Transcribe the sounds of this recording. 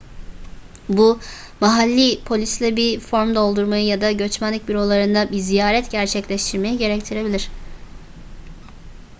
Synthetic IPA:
bu | maɦalʲːipʰo̞lʲislʲɛbifo̞ɾmd̪o̞lˠd̪uɾmajɯjad̪aɟø̞t͡ʃmænlʲic̚biɾo̞lˠaɾɯnd̪abizijaːɾɛt̪ɟæɾt͡ʃʰɛclʲɛʃt̪ʰiɾme̞jiɟe̞ɾɛct̪ʰiɾe̞bilʲiɾ̝̥

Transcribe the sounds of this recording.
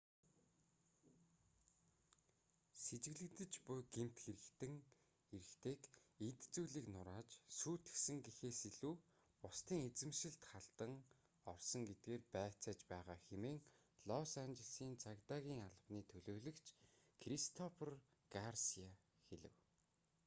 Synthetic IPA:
set͡ɕɪ̆ɣɮɘ̆kt̪ɘ̆t͡ɕpʊjɡem̥ʰt̪xeɾɘ̆kt̪ɘ̆ŋ | eɾɘ̆xt̪ʰeːket̪t͡suːɮiːknʊɾaːt͡ɕsuːt̪ɘ̥̆xsɘ̆ŋɡixeːsiɮuː | ʊst̪iːŋet͡sɘ̆mʃɪ̆ɮt̪χaɮt̪ə̆ŋ | ɔrsɞ̆ŋɡet̪̚ɡeːrpæːt͡saːt͡ɕpæːʁaːxemeːŋ | ɮɔsant͡ɕɪ̆ɮsiːnt͡sʰakt̪aːɣʲiːŋaɮə̆pniːt̪ʰɵɮoːɮɵ̆kt͡ɕʰ | kʰrist̪ʰɔpʰr | ɡarsia | xeɮɘ̰̆w

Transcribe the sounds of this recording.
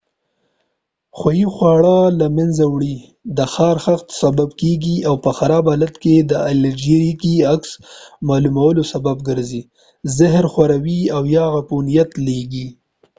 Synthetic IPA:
xwajixwɑɽalamanzawɽi | d̪əxɑɾxaxt̪sababkeɡiawpəxaɾɑbalat̪ked̪əald͡ʒiɾikiaksmɑlumawəlosabab̚ɡəɾzi | zɪɦɾxwaɾawiawjɑɣapunijat̪leɡi

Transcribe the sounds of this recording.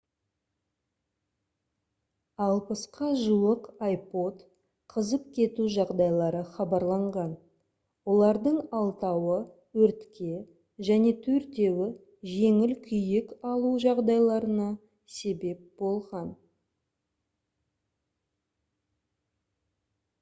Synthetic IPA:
ɑlˠpəsqɑʒuwəqajpo̞t̪ | qʰəzəp̚kʲʰe̞t̪uʒɑʁd̪ɑjlˠɑɾəχɑbɑɾlˠɑɴʁɑn | wo̞lˠɑɾd̪əɴɑlˠt̪ɑwə | wɵɾt̪kʲʰe̞ | ʒæne̞t̪ʰɵɾt̪e̞wɪ | ʒe̞ŋɪlkʲʰʏjɪkɑlˠuʒɑʁd̪ɑjlˠɑɾənɑ | se̞be̞p̚bo̞lˠʁɑn

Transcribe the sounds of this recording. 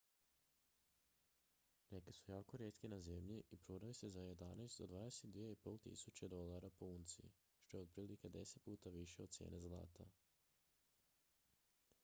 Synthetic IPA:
ne̞kesujaːkoɾje̞t̪kinaze̞mʎiʔipɾoɾaʋisezaje̞d̪anajst̪d̪od̪ʋaːd̪eset̪d̪ʋieipo̞ːlˠt̪ḭsut͡ɕed̪o̞lˠaɾapount̪sḭ | ʃt̪ojeod̪pɾiːlike̞d̪e̞se̞t̪̚puːt̪aʋiʃeod̥̪t̪sjḛːne̞zlˠa̰ːt̪a

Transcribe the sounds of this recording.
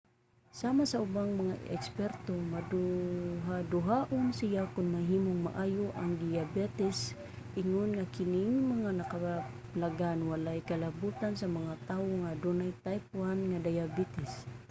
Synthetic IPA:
samasaʊbaŋmɐŋa̰ɛ̰kspɛɾt̪omad̪uɦad̪ʊɦaʔonsɪjakʊnmɐɦiːmoŋma̰ʔajʊʔaŋd̪ɪjabɛt̪ɪs | ʔɪŋonŋakɪnɪŋmɐŋanɐka | plaɡanwalajkɐlabut̪ansɐmɐŋat̪awoŋad̪unajt̪ajp̚ʊanŋad̪ajabɛt̪ɪs

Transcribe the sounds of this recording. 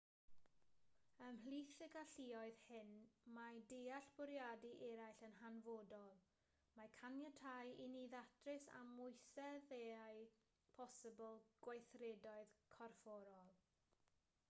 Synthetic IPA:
əmhliːθəɡaɬiːɔɨðhɪnmadejaɬb̥ʊɾjadiʔɛɾajɬənɦanvoːdɔlˠ | makʰanjətʰajiniðatʰrɪsa̰mʊjθɛðeaj | pʰɔsəbəlˠɡ̥wajθrɛdɔɨðkʰɔrfɔɾɔlˠ

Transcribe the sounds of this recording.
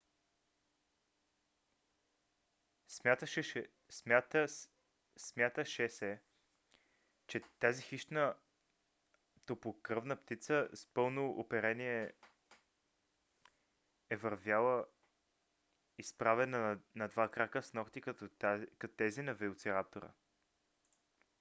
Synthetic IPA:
smʲjat̪əʃɛ | sat̪ə | smʲjat̪əʃɛsɛ | t͡ʃɛt̪azixiʃt̪nə | t̪opokɾɤvnəpt̪it̪səspɤlˠnoʔopɛɾɛniɛ | ɛvɐɾvʲjalˠə | ispɾavɛnənɐd̪vakɾakəsnɔkt̪ik̪kɐt̪ot̪ɛzinɐvɛlˠt̪sɛɾap̚t̪oɾə̰

